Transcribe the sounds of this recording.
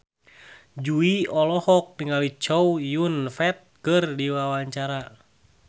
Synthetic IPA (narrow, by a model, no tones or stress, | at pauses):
d͡ʒuiɔlɔhɔk̚niŋalit͡ʃɔwjunfɛt̪̚kɨrdiwawaɲt͡ʃaɾa